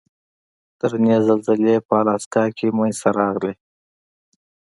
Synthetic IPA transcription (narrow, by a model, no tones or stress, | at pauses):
t̪əɾnezalzəlepəːlɑskɑkʰeməjsaɾɑɣle